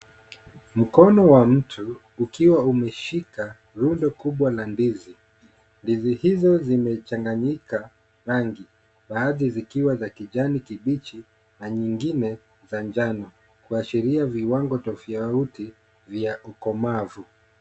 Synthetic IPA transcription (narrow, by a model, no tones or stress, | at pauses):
m̩kɔnɔwam̩tʰuː | kiwaumɛʃika | ɾundɔkuɓwalandizi | ndizihizɔzimɛt͡ʃaŋɡaɲika | ɾaŋɡi | ɓaːðizikiwazakiʄanikiɓit͡ʃi | naɲiŋɡinɛ | zaɲd͡ʒanɔ | kuaʃiɾiaviwaŋɡɔtɔfiauti | vjaʔukɔmavu